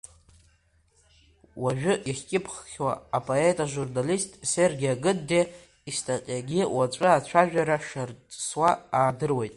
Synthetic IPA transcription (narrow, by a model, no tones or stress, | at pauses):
waʒᶣʏʔiχʲkʲʼɪpʰχχʲwa̰ːpʼoetʼaʒurnalistʼserɡʲaɡɨdde | istʰaqʲʼjaɡʲiwat͡ʃʷʼɨat͡ɕʷʰaʒᶣaɾaʂarʼswaaːdɨrwe̞jtʼ